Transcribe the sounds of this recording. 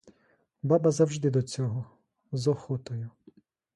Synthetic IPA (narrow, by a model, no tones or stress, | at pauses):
bɑbɐzɐwʒd̪ɪd̪ɔt͡sʲɔɦɔ | zɔxɔt̪ʊjʊ